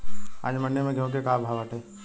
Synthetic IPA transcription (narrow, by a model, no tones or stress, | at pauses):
a̰ːd͡ʒmənːemẽɡʱõkekabʱaʋaʈeː